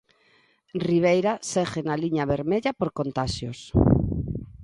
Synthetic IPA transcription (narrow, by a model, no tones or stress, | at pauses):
riβ̞ejɾasexenaliɲaβeɾmeʎapoɾkont̪aʃjos